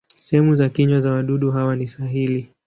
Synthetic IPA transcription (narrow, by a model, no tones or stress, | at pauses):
sɛɦɛmuzakiɲwazawaɗuɗuɦawanisaɦili